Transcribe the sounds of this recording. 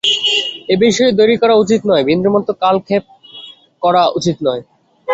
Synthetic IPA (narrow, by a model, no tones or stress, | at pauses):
ebiʃɔed̪ojɾikɔɾaut͡ɕit̪nɔebind̪ɾomɔt̪ːokalkʰep̚ | kɔɾaut͡ɕit̪nɔe